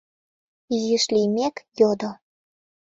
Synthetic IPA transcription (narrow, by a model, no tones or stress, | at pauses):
iziʃlimekjod̪o